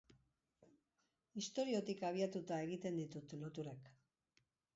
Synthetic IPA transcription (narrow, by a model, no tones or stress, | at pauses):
ist̪o̞ɾio̞t̪ikaβiat̪ut̪ae̞ɣit̪e̞nd̪it̪ut̪lot̪uɾak